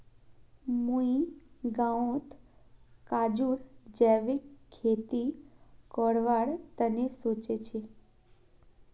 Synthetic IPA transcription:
mũiɡaõt̪ | kad͡ʒuɽd͡ʒɛʋikʰːet̪ikəɽʋaɽt̪ənesot͡ʃet͡ʃʰe

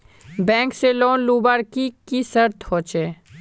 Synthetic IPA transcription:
bɛ̃ːŋkseloːnluːbaːɾkikisɐɾt̪ʰhoːt͡ʃeː

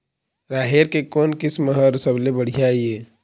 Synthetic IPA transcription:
ɾaːɦeːɾkekoːnkɪsməɦəɾsəblebəɽ̤ijaieː

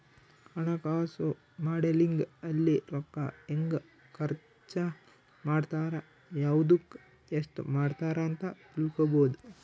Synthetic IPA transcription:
ɐɳɐkaːsu | maːɖeliŋɡɐlːiɾɔkːɐeŋɡ | kʰɐɾ | t͡ʃɐ | maːɖt̪aːɾɐ | jaːʋud̪ukː | esʈmaːɖt̪aːɾɐːnt̪ɐt̪ilkoboːd̪u

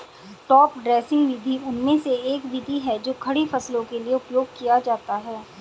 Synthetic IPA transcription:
ʈɔːp̚ɖɾeːsɪ̃ŋɡʋɪd̪ʱiʊnmẽseeːkʋɪd̪ʱiɦɛd͡ʒoːkʰɐɽifɐslõkelieʊpjoːʊɡ̚kijad͡ʒaːt̪aɦɛː

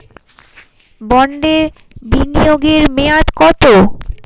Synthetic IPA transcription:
bɔɳɖeɾ | binijoɡeɾmejat̪kɔt̪o

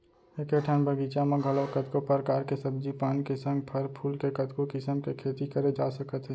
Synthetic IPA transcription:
ekeʈʰənbʱɐɡiːt͡ʃamɐ̃ɡʱəlokɐt̪kopəɾkaːɾkesɐb̚d͡ʒipaːnkesə̃ŋɡ̚pʰɐɾpʰuːlkekɐt̪kokɪsəmkekʰeːt̪ikəɾed͡ʒaːsɐkət̪ɦɛː

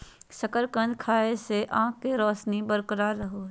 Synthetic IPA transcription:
sɐkəɾkə̃nd͡ʒkʰaːeseʔãːkːeɾɔːsnibəɾkəɾaɾɐɦo

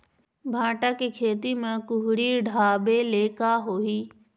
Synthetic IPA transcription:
bʱãːʈakikʰeːt̪imãkʊɦʊɾiɖʱaːbeleːkaɦoːiː

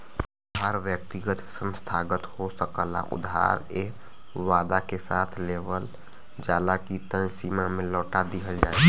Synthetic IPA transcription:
ʊd̪ʱɦaɾʋjək̚t̪iɡət̪sə̃nst̪ʰaɡət̪hosəkəla̰ʔṵd̪ʱɦa̰ɾe | ʋad̪akesat̪ʰleʋəl | d͡ʒaːlakit̪ə̃nsimamẽlɔːʈad̪iɦəld͡ʒa

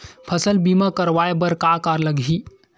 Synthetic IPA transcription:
pʰəsəlbimakəɾʋajbəɾkakaɾləɡʱi

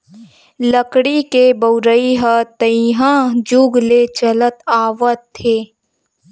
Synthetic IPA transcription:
ləkɽikebəʊɾəiɦət̪əiɦãːd͡ʒʊɡlet͡ʃələt̪aːʋət̪ʰːeː

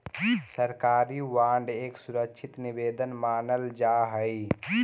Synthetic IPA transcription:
səɾkaːɾiwaːɳɖeːksʊɾəkʃʰɪt̪nɪbeːd̪ənmaːnəld͡ʒaːɦəi

